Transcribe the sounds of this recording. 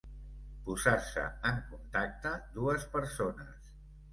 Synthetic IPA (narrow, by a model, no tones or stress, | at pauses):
puzaɾsə̰əŋkunt̪ak̚t̪əd̪uəspəɾsonəs